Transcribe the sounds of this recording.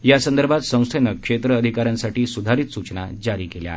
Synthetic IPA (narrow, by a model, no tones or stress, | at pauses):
jasənd̪əɾbʱat̪sə̃w̃st̪ʰenəkʂet̪ɾəːd̪ʱikaɾjãnsaʈiːsud̪ʱaɾiːt̪sut͡ɕna̰d͡ʑaɾiːkelja̰